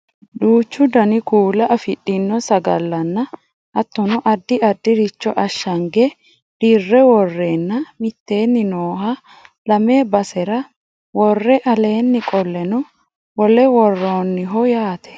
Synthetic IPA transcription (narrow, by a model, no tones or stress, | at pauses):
d̪uːt͡ʃːʊd̪ɐnɪkuːlɐʔɐfɪɗːɪnːɔsɐɡɐ̰lːɐnːɐ | ɐt̪ːɔnɔʔɐd̪ːɪʔɐd̪ːɪɾɪt͡ʃːɔʔɐʃːɐŋɡɛ | d̪̥irːɛwɔrːeːnːɐmɪt̪ːe̞ːnːɪnoːhɐ | lɐmeːbɐsɛɾɐ | wɔrːɛʔɐle̞ːnːɪkʼɔlːɛnɔ | wɔlɛwɔrːoːnːɪɦɔjaːt̪ʰɛ̥